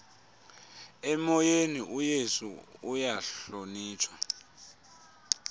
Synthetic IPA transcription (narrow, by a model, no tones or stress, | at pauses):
ɛmɔjeniʔujesṵːjaɬoniːtʰwa